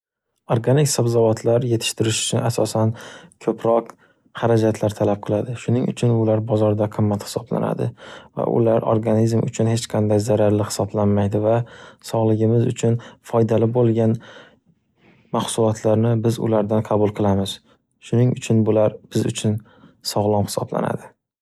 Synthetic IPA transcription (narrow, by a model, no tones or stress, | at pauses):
oɾɡanɪkʲsabzavɒt̪ʰlaɾje̞t̪ʰɪ̥ʃt̪ʰɪɾɪʃʊ̥t͡ʃʰʊnasɒsankʰɵpʰɾɒq | haɾad͡ʒat̪ʰlaɾt̪ʰalap̚qʰɨlˠad̪ɪʃʊnɪŋʔʊ̰t͡ʃʰʊnʊlaɾbɒzɒɾd̪aqʰɨmːat̪hɪ̥sɒbla̰na̰d̪ɪ̰va̰ʔʊ̰laɾoɾɡanizmʊ̰t͡ʃʰʊnhe̞t͡ʃqʰɑnd̪ajzaɾaɾlɪhɪ̥sɒblanmajd̪ɪvasɒʁlˠɪɡʲɪmɪzʊt͡ʃʰʊnfɒjd̪alɪbolˠɡʲan | maχsʊlˠɒt̪ʰlaɾnɪbɪzʊ̰laɾd̪anqʰɑbʊlˠqʰɨlˠamɪz̥ | ʃʊnɪŋʊt͡ʃʰʊnbʊlaɾb̥ɪzʊ̰t͡ʃʰʊn | sɒʁlˠɒmhɪ̥sɒ̰bla̰na̰d̪ɪ